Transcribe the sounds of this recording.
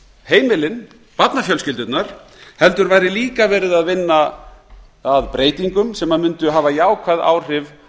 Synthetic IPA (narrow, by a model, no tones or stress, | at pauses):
heːjmɪlɪn | pat̪nafjœlscɪlt̪ʏt̪naɾ̥ | hɛlt̪ʏɾvaːjɾɪliːkavɛːɾɪðaðvɪnːa | aðpɾeːjt̪iŋkʏmsɛmːaðmʏnt̪ʏɦaːvajaːwkʰvaða̰ːwr̥ɪv